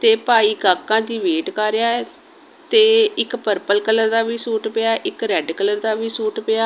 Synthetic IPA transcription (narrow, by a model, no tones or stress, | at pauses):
t̪eːpaːiːɡaːkːãːd̪iːʋeːʈkaːɾejaːɛ | t̪eːɪkpəɾpəlkələɾd̪aːʋiːsuːʈpeaːʔɪkɾɛːɖkələɾd̪aːʋiːsuːʈpɪaː